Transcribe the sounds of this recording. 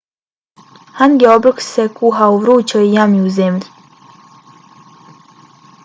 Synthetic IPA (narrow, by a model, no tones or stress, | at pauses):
hanɡɛobɾəksekuɦauʋɾuːt͡ɕɔijamjuuzemʎi